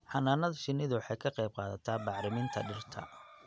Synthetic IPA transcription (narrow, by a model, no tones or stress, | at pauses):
ħɑnaːnɐðʃɪnːɪðʊwħɑjkʰɐqɛjb̚qɑːðɐt̪ʰaːbɑʕɾɪmɪnt̪ʰɐ̰ɖɪrt̪ʰɐ̰